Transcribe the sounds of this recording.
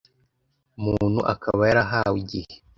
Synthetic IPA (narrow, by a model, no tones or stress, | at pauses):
mun̥huʔa̰kʰaβajaɾaɦawiɟihe